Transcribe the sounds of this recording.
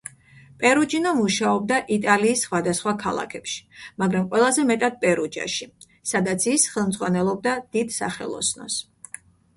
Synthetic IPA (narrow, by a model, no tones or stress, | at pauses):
pʼɛɾud͡ʒinɔmuʃaɔbd̪aʔit̪ʼaliːsːχwad̪asχwakʰalˠa̰kʰɛpʃi̥maɡɾamqʼwɛlˠazɛmɛt̪ʼad̪̚pʼɛɾud͡ʒa̰ʃi | sad̪at̪sʰisχɛlˠmd̪zʼʁwanɛlˠɔb̚d̪ad̪̥id̪sa̰χɛ̰lˠɔ̰snɔ̰s